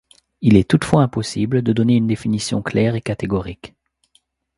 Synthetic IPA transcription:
ilɛt̪ut̪fwaɛ̃pɔsibləd̪əd̪ɔneynd̪efinisjɔ̰̃klɛːʁekat̪eɡɔʁik

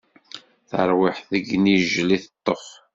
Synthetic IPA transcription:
θəɾˤwɪħθəɡniʒliθət̪ˤːəf

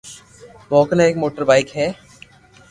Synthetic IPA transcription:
mɔːknaeːkmoːʈəɾbaːɪkɦɛː

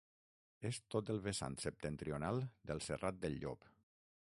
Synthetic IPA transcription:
est̪ot̪əlˠβesa̰nsəp̚t̪ent̪ɾionalˠd̪əlˠserat̪̚d̪əlːo̰p

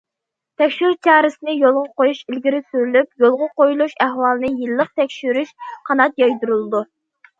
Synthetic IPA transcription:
t̪ʰɛkʲʃyɾt͡ʃʰɑːɾɪsɪnɪjolˠʁɑqojuʃilɡʲiɾɪsyɾylypjolˠʁɑqojulˠuʃæhwɑːlˠɨnɨjilːəq̚t̪ʰɛkʲʃyɾyʃqʰɑnɑt̪̚jɑjd̪uɾulˠɨd̪u

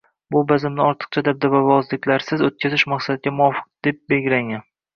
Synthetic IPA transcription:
bʊbazɪmnɪɒɾt̪ʰɨ̥qt͡ʃʰad̪ab̚d̪avavɒzlɪkʲlaɾsɪzot̪̚kʲazɪʃmaqsad̪ɪɡʲamʊɒfɨ̥q̚d̪̥e̞p̚be̞ɡʲɪɾaŋan

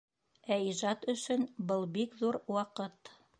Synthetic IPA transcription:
æiʒɑt̪ɵ̆ʃɵnbɤlˠbikðuɾwɑqɤt̪

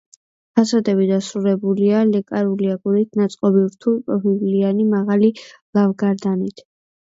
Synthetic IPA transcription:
pʰasad̪ɛbid̪asɾuɾɛbulialɛkʼaɾuliaɡuɾit̪ʰnat̪sʼqʼɔbivɾt̪ʰulˠpʼɾɔɦivlianimaʁalilˠavɡaɾd̪anit̪ʰ

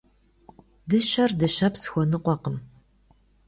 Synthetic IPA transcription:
dɨɕɐrdɐɕɐpsɨ̥xʷɔnɨqʷɔqəm

